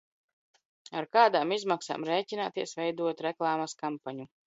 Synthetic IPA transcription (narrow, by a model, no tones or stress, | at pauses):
aɾkaːd̪aːmizmaksa̰ːmɾɛːcʲinaːt̪iɛsvɛjd̪uɔt̪ɾɛklˠaːmaskampaɲu